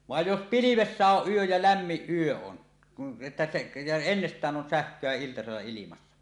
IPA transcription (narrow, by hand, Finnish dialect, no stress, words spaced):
ʋɑˑej jos piliʋesːæ oʔ ʔyøj jɑ læmːiʔ ʔyø on etːæ se jɑ enːestˑæːn on sæhkˑøæ iltɑselːɑ ilimɑsːɑ